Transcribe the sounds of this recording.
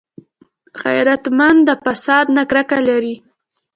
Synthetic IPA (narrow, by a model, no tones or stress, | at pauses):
ɣa̰jɾat̪mand̪əfasɑd̪nakɾakalaɾi